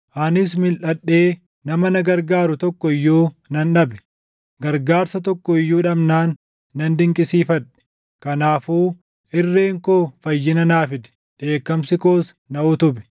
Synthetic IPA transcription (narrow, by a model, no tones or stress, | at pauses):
ʔɐnɪs̬mɪlʔɐɗːe̞ː | nɐmɐnɐɡɐɾɡaːɾʊt̪ɔkːɔɪjːuːnɐnᶑɐbɛ̥ | ɡɐɾɡaːɾsɐt̪ɔkːɔɪjːuːᶑɐbnaːnː | ɐnd̪ɪŋkʼɪsiːfɐᶑɛ̥ | kɐnaːfuː | ʔɪrːeːŋkoːfɐjːɪnɐnaːfɪd̪ɛ̥ | ᶑe̞ːkːɐmsɪkoːs | nɐʊt̪ʊbɛ̥